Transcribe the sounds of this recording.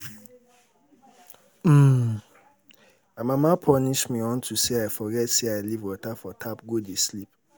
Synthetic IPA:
m̩ | amãmãpʰɔniʃmĩɔ̃ntʰuseaɪfɔɡɛtseaɪlivwɔtafɔtʰapɡodeslip̚

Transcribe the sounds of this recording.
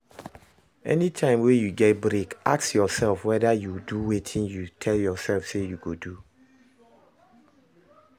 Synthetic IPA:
ɛ̰nitʰãɪ̃mwejuɡɛt̚bɹekaksjɔsɛlfwɛdajuduwetʰĩnjutʰɛljɔsɛlfsejuɡodu

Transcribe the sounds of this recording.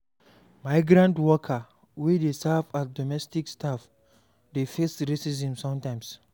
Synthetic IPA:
maɪɡɾãntwɔkʰa | widesavat̚dɔmɛstikstaf | defesɾesizĩmsɔ̃mtãj̃ms

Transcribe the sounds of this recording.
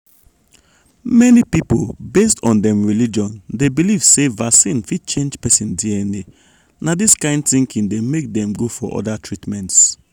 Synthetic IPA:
mɛnipipolbestʰɔ̃ndɛ̃mɹilid͡ʒɔ̃ndebiliv̥sevasĩnfid̚t͡ʃẽnd͡ʒpɛsĩndiɛni | nadiskãɪ̃ndθĩŋkĩŋdemek̚dɛ̃mɡofɔʔɔ̰datʰɹitmɛ̃nts

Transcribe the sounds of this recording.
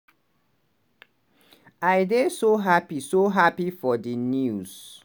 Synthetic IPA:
aɪdesoɦapisoɦapifɔdinjuz̥

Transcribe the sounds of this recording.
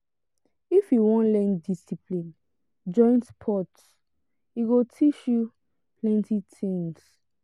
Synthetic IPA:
ifjuwɔ̃nlɛ̃ndisiplĩn | d͡ʒɔ̃ɪ̃nspʰɔt | iɡotʰit͡ʃju | plɛ̃ntitʰĩŋs

